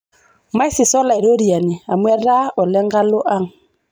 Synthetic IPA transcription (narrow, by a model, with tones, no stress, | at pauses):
ma˦i˦si˨sɔ˦la˨i˨ɾo˦ɾi˨a˨ni˨a˨mwɛ˦ɾa˦ɔ˨lɛ˦ŋɡa˦lo˦ʔa˦ŋ̩